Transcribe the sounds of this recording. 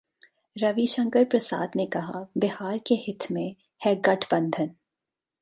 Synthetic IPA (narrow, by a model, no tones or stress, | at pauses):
ɾɐʋiʃɐ̃ŋkəɾpɾɐsa̰ːd̪nekɐɦa̰bɪɦaːɾkehɪt̪ʰmẽ | hɛɡɐʈʰbɐ̃nd̪ʱən